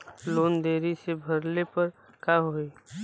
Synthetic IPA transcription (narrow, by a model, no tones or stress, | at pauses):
loːnd̪eːɾisebʱɐɾlepɐɾ | kaɦoe